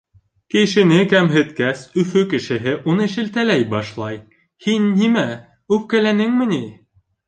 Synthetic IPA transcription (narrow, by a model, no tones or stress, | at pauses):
kɘ̆ʃɘ̆nɘkæmɦɘ̆t̪kæsɵ̆fɵkɘ̆ʃɘ̆ɦɘʔunɤʃɘ̆lt̪ælæjbɑʃlˠɑj | hinːimæ | ʉp̚kælænɘŋmɘ̆ni